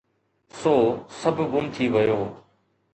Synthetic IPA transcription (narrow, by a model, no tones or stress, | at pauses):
soːsəbʱɡʊmt̪ʰiʋəjoː